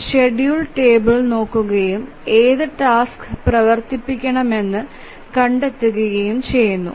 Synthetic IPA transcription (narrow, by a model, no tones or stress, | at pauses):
ɕe̞ɖjuːɭʈe̞ːbɐɭno̞ːkːuɣɐjum | e̞ːðɨʈaːskɨprɐʋɐrt̪ipːikʲːɐɳɐme̞nːɨ | kɐɳɖe̞t̪ːuɣujɐjumt͡ɕejunːṵ